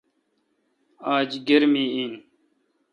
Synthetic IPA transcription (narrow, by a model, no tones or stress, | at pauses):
aːd͡ʑɡeɾmiːiːn